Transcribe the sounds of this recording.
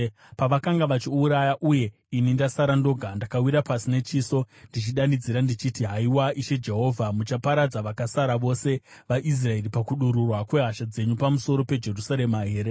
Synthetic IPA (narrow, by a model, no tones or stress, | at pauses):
paʋakaŋɡaʋat͡ʃiuɾajaʔuje̞ | inindasaɾando̞ɡʱandakawiɾapasine̞t͡ʃiːso̞ | ndit͡ʃiɗandid͡ziɾandit͡ʃitiɦaiwaiʃe̞d͡ʒe̞ɦo̞ːvʱamut͡ʃapaɾad͡zaʋakasaɾaʋo̞se̞ | ʋaʔis̬rae̞ɾipakuɗuɾurwakwe̞ɦaʃad͡ze̞ɲupamuso̞ɾo̞pe̞d͡ʒe̞rusaɾe̞maɦeːɾe